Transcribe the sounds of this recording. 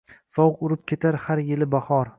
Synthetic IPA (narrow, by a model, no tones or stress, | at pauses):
sɒwqʊɾɪp̚kʲʰe̞t̪ʰaɾhaɾjɪlɪbahɒɾ